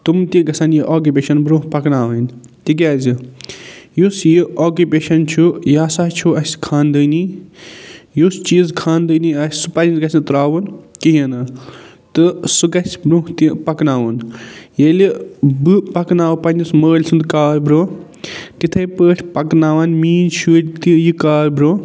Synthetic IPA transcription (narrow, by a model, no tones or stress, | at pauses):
t̪umt̪ĩɡɐsɐnjiʔoːkupeːʃɐnbɾũːpɐknaːʋanʲ | t̪ik̬ʲaːzʲi | jusjioːkupeːʃɐnt͡ʃʰujaːsaːɦt͡ʃʰuɐsʲkʰaːnd̪əːni | just͡ʃiːzkʰaːnd̪əːniɐsʲsɨpɐjinɡɐsʲnt̪ɾaːʋunkiɦɐna | t̪ɨsɨɡɐsʲbɾuht̪ipɐknaːʋɐnjelʲibɨpɐknaːʋpɐnʲisməːlʲsɨnd̪kaːlbɾoː | t̪it̪ʰɐjpəːʈʰʲpɐknaːʋaːnmiːnʃʰulʲt̪ijɨkaːlbɾoː